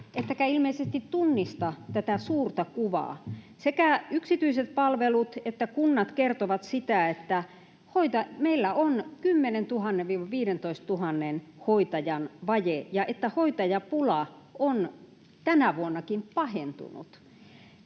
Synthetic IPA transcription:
et̪ːækæilmeisest̪it̪t̪unːist̪ɑt̪æt̪æsuːrt̪ɑkuʋɑ̰ˑ | sekæyksit̪yiset̪̚pɑlʋelut̪et̪ːækunːɑt̪kert̪oʋɑt̪sit̪æet̪ːæ | hoit̪ɑmeilːæonkymːenent̪uhɑnːeʋʋiːʋɑʋiːɾent̪oist̪t̪uhɑnːenhoit̪ɑjɑnʋɑjejɑʔet̪ːæhoit̪ɑjɑpulɑ | ʔon | t̪ænæʋuonːɑkimpɑhent̪ṵnṵt̪

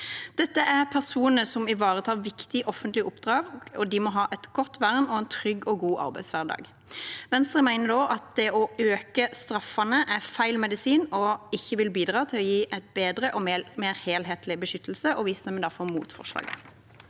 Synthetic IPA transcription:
d̪̥ɛt̪ːəʔæʁpʰæʁsuːnənəsɔmɪʋɑːʁət̪ʰɑːʁʋɪkt̪ɪʔɔfːənt̪lɪʔʊpd̪ʁɑːʋɔd̪ɪmɔɦɑːʔɛt̪ɡ̥ɔt̪ːʋæʁnɔɛnt̪ʰʁʏɡːɔɡuːʔɑ̰ɾbæɪsʋæʁd̪ɑ̰ːɡ | ʋɛnst̪ɾʁəmæɪnəd̪oːʔɑt̪̚d̪ɛɔøːkəst̪ɾɑfɑnəʔæfæɪlmɛd̪ɪsiːnɔɪçːəʋɪlbiːd̪ʁɑːt̪ʰɪlɔjiːʔæɪt̪̚beːd̪ɾəʔɔmmeːɾheːlɦeːt̪ʰlɪbəʃʏt̪ʰːl̩səʔɔʋiːsnɛməd̪æʁfɔʁmṵːt̪fɔ̰ʂlɑ̰ːɡə̰

